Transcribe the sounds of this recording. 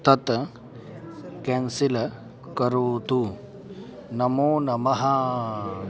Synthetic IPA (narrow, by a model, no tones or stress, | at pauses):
t̪ɐt̪ | kensilɐ | kɐɾoːt̪u | nɐmoːnɐmɐɦɐ